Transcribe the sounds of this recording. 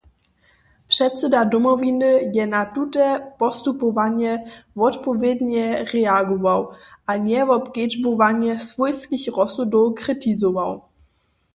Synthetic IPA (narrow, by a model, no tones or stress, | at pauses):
pʂɛt̪sɛdadɔmɔvinəjɛnatutɛpɔst̪upɔvaɲɛvɔtpɔvjɛd̪ɲɛʁɛaɡɔvawʔaɲɛvɔpked͡ʒbovaɲɛsv̥ujskiçrɔsudɔwkrɪtizɔvaw